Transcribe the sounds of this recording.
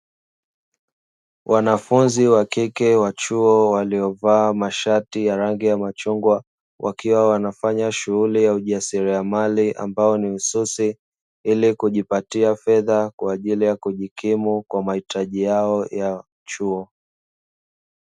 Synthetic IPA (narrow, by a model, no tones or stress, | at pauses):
wʔanafunziwakikɛwat͡ʃuɔwaliɔvaːmaʃatijaɾaŋɡijamat͡ʃuŋɡwa | wʔa̰kiwawanafaɲaʃuɣulijauʄasiɾiamaliʔa̰mbaɔniususi | ilikuʄipatiafɛðakwaːʄilijakuʄikimukwamahitaʄijaɔja | t͡ʃuɔ